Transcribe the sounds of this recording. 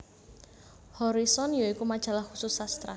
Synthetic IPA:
hɔɾisɔnjɔikumad̥ʒ̥a̤lahkususast̪ɾa̰

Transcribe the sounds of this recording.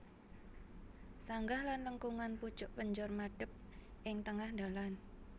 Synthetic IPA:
saŋɡahlanləŋkuŋanput͡ʃʊʔpəɲd͡ʒʊrmaɖ̥ə̤p̚ʔɪŋt̪əŋahnd̪alan

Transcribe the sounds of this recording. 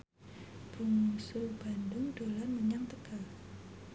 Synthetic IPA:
b̥ṳŋsʊrb̥andʊŋd̪̥olanməɲaŋt̪əka

